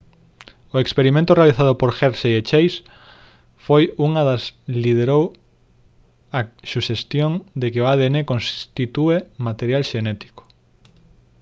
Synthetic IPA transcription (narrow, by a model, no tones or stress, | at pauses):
oekspeɾimẽnt̪ʊrealiθaðopoɾxeɾʃeet͡ʃejs | fojuŋɐðɐslið̞eɾow | asuʃest̪joŋd̪ekeoaðeenekonst̪it̪uemat̪eɾjalʃenɛt̪i̥ko̥